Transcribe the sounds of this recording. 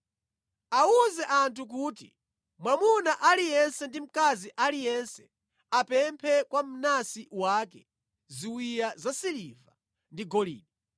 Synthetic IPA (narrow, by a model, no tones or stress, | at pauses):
awuzɛʔantʰuk̬uːtḭ | mwamunaʔalijɛnsɛndim̩kaziʔalijɛnsɛ | apɛmpʰɛkwam̩nasiwaːkɛ | ziwijazasiliva | ndiɡɔlḭːɗɔ